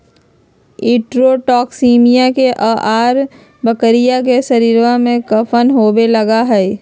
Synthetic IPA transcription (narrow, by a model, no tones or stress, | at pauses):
iːʈɾoʈɔːksiːmijakeʔaːʔaːɾ | bɐkəɾijakesɐɾiːɾʋamẽkɐfʰənɦoːbelɐɡaɦɛː